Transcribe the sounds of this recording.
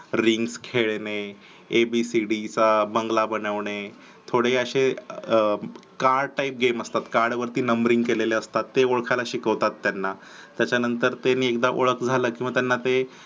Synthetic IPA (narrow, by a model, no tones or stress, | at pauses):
ɾiŋɡskʰeɭneː | bisiɽit͡sabəŋɡlabənəʋɳe | t̪ʰoɽeəɕe | kaɾɖ̚ʈaip̚ɡeməst̪at̪kaɾɖʋəɾt̪iːnəmbɾiŋɡkeleleəst̪at̪ːeoɭkʰalaɕikəʋt̪at̪ːjanːa | t̪jat͡ɕjanənt̪əɾt̪eniːekd̪aʔo̰ɭəkd͡zʱaləːkĩʋat̪janːat̪e